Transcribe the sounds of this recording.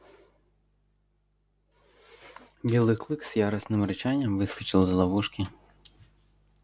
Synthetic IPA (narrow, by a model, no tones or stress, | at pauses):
bʲilˠɪklˠɨkz̥jaɾɐsnɪmɾɪt͡ʃanʲːɐmʋɪskɐ̥t͡ʃɪlˠzlˠɐʋuʂkʲi